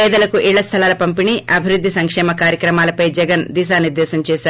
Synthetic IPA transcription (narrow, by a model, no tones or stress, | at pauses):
ɛːd̪ɐlɐkuʔiːɭːɐst̪ʰɐlaːlɐpɐmpiniʔɐbʱiɾud̪ʱːisɐŋkʂɛːmɐkaːɾjɐkɾɐmaːlɐpɐjd͡ʒɛɡɐnd̪iːs̬aːniɾd̪ɛːsɐɲt͡ʃɛːsaːɾ